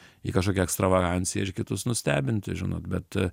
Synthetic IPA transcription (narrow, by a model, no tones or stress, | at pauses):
ḭkɐʃ̬koːkʲɛɛkst̪ɾɐʋɐɡɑnʲsʲɪjɛ̰ɪɾkʲɪt̪ʊsnʊsʲt̪ʲæːbʲɪnʲt̪ʲɪʒʲɪno̰ːt̪bʲɛt̪